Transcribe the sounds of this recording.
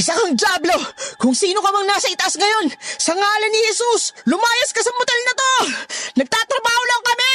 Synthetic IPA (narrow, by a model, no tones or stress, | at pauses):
ʔɪsɐkɐŋd͡ʒaːblo̞kʊŋsiːno̞kɐmɐŋnaːsɐɪt̪ɐʔasŋɐjo̞nsɐŋaːlɐnːɪhɛsuslʊmaːjɐskɐsɐmʊt̪ɛlnɐt̪o̞nɐɡ̚t̪aːt̪ɾɐbaːholɐkɐmɪ